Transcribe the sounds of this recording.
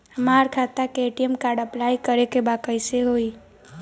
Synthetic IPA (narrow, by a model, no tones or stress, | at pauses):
maɾkʰat̪akeeʈiemkaɾɖəplajkəɾekebakəjseɦoi